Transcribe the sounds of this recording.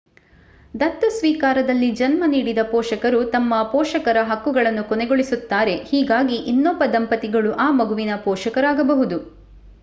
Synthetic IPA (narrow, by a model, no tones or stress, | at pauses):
d̪ɐt̪ːusʋiːkaːɾɐd̪ɐlːid͡ʒɐnmɐniːɽid̪ɐpɔːʃɐkɐɾut̪ɐmːɐpɔːʃɐkɐɾɐɦɐkːuɡɐɭɐnːukɔneɡoɭisut̪ːaːɾe̞hiːɡaːɡiʔinːɔːpɐd̪ɐmpɐt̪iɡɐɭuʔaːmɐɡuʋinɐpɔːʂɐkɐɾaːɡɐbɐɦud̪u